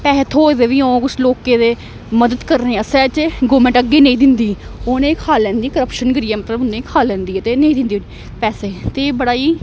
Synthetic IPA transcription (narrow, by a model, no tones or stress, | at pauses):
pɛːɦət̪ʰɦoːed̪eːʋiːõːkʊsloːkeːd̪eː | məd̪əd̪kəɾnẽːəsɛːt͡ʃɡoːmə̃ɳʈəɡːeːnẽĩːd̪ɪnd̪iːoːnẽːkʰaːlɛ̃ːnd̪iːkəɾəpʃənɡəɾiːɛːmət̪ləbʊnẽːkʰaːlːɛ̃ːnd̪iːɛːt̪eːnə̃iːd̪ɪnd̪iː | pɛːseːt̪ebəɽaːiː